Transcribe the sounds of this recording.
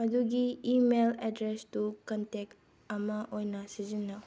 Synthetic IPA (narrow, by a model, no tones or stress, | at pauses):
ɐduɡiːmeledɾestukɐntek̚ | ɐmɐʔojnɐsizinːɐ